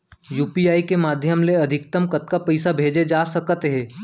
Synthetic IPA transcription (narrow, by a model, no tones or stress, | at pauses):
juːpiaːikemaːd̪ʱjəmleɐd̪ʱɪk̚t̪əmkɐt̪̚kapɐɪsabʱeːd͡ʒed͡ʒaːsɐkt̪ɦɛ̃ː